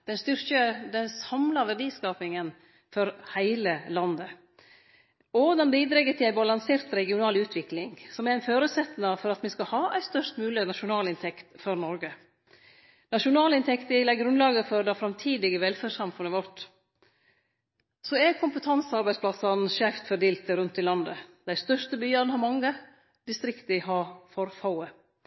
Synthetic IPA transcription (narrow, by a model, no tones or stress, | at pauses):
d̪̥ɛnst̪ʏɾkəd̪ɛnsɑmlɑʋæɾɖiːskɑːpɪŋən | fɔɾhæɪləlɑnd̪ə | ɔd̪ɛnbiːd̪ɾɛɡət̪ʰɪlæɪbɑlɑŋseːɾt̪ɾɛɡɪʊnɑːlʉːt̪ʰʋɪklɪŋsɔmɛɾɪnføːɾʉːt̪sɛt̪nɑfɔɾɑt̪mɪskɑhɑːæɪst̪œʂt̪mʉːlɪənɑʂʊnɑːlɪnt̪ʰɛkt̪fɔɾnɔɾɡə | nɑʃʊnɑːlɪnt̪ʰɛkt̪ɪlæɡɾʉnd̪lɑːɡəfɔɾd̪ɑfɾɑmt̪ʰiːd̪ɪɡəʋɛlfæːʂɑmfʉnːəʋɔʈ | sɔɛkʰʊmpət̪ʰɑnsɑɾbæɪspʰlɑsɑnʃæːft̪fœɖeːlt̪əɾʉnt̪ʰːɪlɑnd̪ə̰d̪æɪst̪œʂtəbyːɑɾnhɑɾmɑŋːə | d̪̥ɪst̪ɾɪkt̪əɪhɑːfɔɾfɑʊə